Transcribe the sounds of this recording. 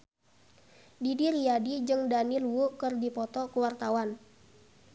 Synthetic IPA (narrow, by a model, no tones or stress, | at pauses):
didiɾiadid͡ʒɨŋdanilwukərdipɔt̪ɔkuwart̪awan